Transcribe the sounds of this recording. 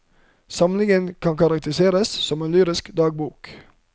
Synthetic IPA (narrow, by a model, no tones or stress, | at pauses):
sɑmlɪŋənkʰɑnkɑɾɑk̚t̪əɾɪseːɾəssɔmeːnlyːɾɪskd̪ɑːɡ̚buːk